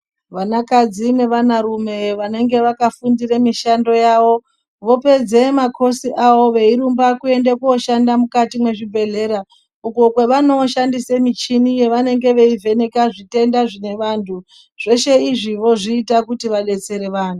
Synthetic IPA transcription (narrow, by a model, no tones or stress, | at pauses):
ʋanakad͡zine̞ʋanaɾume̞ʋane̞ŋɡe̞ʋakafundiremiʃando̞jaʋo̞ | ʋo̞pe̞d͡ze̞makʰo̞siʔaʋo̞ʋe̞iɾumbakue̞ndekuoʃandamukatimwe̞ʐibʱe̞ɮe̞ːɾa | uko̞kweʋano̞ʃandisemit͡ʃinije̞ʋane̞ŋɡe̞ʋe̞ivʱe̞ne̞kaʐite̞ndaʐine̞ʋantʰu | ʐ̥e̞ʃe̞iʐiʋo̞ʐiːtakutiʋaɗe̞t͡se̞ɾe̞ʋaːn̤u